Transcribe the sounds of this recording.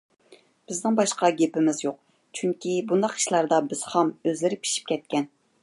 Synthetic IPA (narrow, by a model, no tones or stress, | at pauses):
b̥ɪznɪŋbɑʃqɑɡʲepɪmɪzjoq̚ | t͡ʃʰyŋkʲibund̪ɑqi̥ʃlˠɑɾd̪ɑbɪz̥χɑmøzlɪɾɪpʰi̥ʃi̥p̚kʲʰɛt̪̚kʲɛn